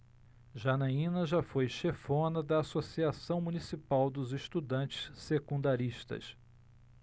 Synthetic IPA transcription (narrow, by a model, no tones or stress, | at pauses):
ʒanaĩnɐʒafojʃefõnɐd̪ɐːsosiasɐ̃w̃munisipawd̪ʊzɪʃt̪ud̪ɐ̃nt͡ʃɪ̥ssekũnd̪aɾiʃt̪ɐ̰s